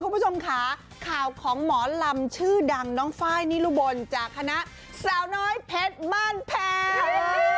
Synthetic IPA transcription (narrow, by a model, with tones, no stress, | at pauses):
u˧˦pu˦˥˩o˧mkʰa˦˥˩ | kʰaː˨˩wkʰɔː˩˦ŋmɔː˩˦la˧mt͡ɕʰɯː˥˩da˧ŋnɔː˦˥ŋfaː˦˥˩jniː˦˥˩luː˧˩bo˧nt͡ɕaː˨˩kʰːa˧na˦˥ʔ | saː˩˦wnɔː˦˥jpʰe˦˥t̪̚maː˥˩npʰɛː˧